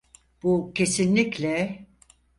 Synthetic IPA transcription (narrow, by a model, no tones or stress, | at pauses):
b̥ucʰe̞sinlʲiclʲɛ